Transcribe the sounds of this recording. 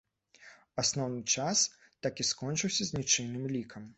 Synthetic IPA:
asnɔwnɨt͡ʂas | t̪akʲiskɔnt͡ʂɨwsʲɐzʲnʲit͡ʂɨnɨmlʲikʰɐm

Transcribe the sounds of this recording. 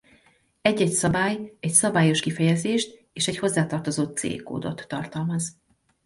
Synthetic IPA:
ɛɟːɛcsɒbaːjɛcsɒbaːjo̞ʃkifɛjɛzeːʃt̪ | eːʃɛcho̞zːaːt̪ɒrt̪o̞zoːt̪̚sḛːkːo̰ːd̪o̞̰t̪ːɒrt̪ɒlmɒz

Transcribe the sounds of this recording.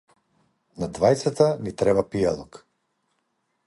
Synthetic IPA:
nad̪vajt̪sat̪anit̪ɾɛbapialˠɔk

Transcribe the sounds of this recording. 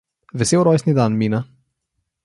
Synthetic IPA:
ʋɛseːwɾɔjsnid̪anmiːna

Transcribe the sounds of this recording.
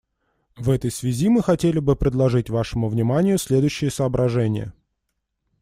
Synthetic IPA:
vɛt̪əjsvʲɪzʲimɨxɐtʲelʲɪbɨpɾʲɪd̪lˠɐʐɨtʲvaʂɨmʊvnʲɪmanʲɪjʊsʲlʲed̪ʊjɕːɪjəsəːbɾʔɐʐɛnʲɪjə̰

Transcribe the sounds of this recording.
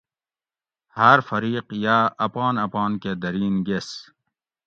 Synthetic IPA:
hɐɾfɐɾiːqjaːɐpɑːnɐpɑːnked̪ɐɾiːnɡes

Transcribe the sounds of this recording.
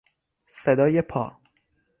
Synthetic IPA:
sed̪ɒːjepʰɒ̰ː

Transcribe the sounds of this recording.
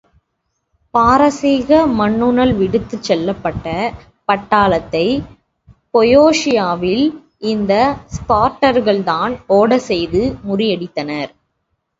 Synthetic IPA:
paːɾɐsiːɣɐmɐɳːɯnɐlʋɪɽɯt̪ːɯt͡ʃːɛlːɐpːɐʈːɐ | pɐʈːaːlɐt̪ːɐɪ | pɔjoːʂɪjaːʋɪl | ʔɪnd̪ɐspaːɾʈːɐɾɣɐɭt̪aːnoːɽɐsɛjðɯmʊrɪjɐɽɪt̪ːɐnɐɾ

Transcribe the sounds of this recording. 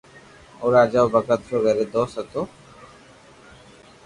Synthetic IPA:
oɾad͡ʑaobakat̪ɾoɡɛɾed̪ɔsɛt̪o

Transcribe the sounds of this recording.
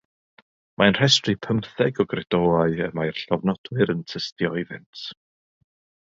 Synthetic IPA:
mʔaənr̥ɛstripʰəmθɛɡɔɡrɛdɔːaɨəmajrɬɔvnɔd̥wɨɾəntʰəstjɔðɪntʰ

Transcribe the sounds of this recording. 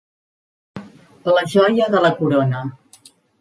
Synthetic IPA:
ləʒɔjəðələkuɾonə

